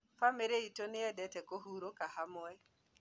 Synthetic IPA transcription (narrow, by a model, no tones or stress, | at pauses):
fameɾeitonɪɛdɛtɛkoɦuɾokaɦamɔɛ